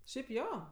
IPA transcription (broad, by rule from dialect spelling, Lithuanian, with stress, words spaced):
ʃʲɛɪp ˈjoː